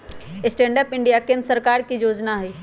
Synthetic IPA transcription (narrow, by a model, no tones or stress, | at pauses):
sʈẽːɳɖəpɪɳɖijakẽnsəɾkaːɾkijoːd͡ʒnaɦɛː